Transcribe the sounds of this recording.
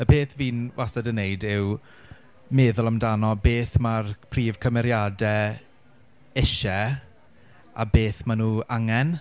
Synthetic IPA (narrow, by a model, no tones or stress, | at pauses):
əpʰeːθviːnvasadənejdɪw | meːðʊlˠamdanɔbeːθmarpʰriːvkʰəmɛɾjadɛ | ɪʃɛ | abeːθmanuːaŋɛn